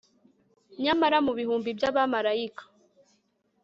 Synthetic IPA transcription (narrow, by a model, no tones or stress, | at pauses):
ɲamaɾamuβihuːmbibjaβamaɾaikḁ